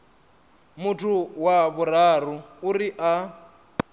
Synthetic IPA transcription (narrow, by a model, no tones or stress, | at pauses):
mutʰuwaβuraruuriʔa